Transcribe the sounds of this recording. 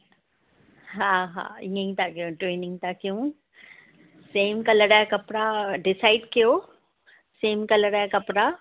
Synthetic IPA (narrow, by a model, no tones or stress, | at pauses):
ɦãːɦã̰ːɪ̰̃ŋẽĩt̪akijũʈɾeːnɪ̃ŋɡ̚t̪akijũ | seːmkɐləɽajakɐpɽaɖɪsaːɪɖkijo | seːmkɐləɽajakɐpɽa